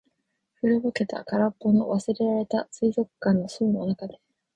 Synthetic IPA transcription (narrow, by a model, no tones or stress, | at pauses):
ɸɯ̟ɾɯbɯ̟ke̞t̪a̰kaɾapːo̞no̞βasɨɾe̞ɾaɾe̞t̪asɨizo̞kɯ̥kːãnːo̞soːno̞nakad̪e̞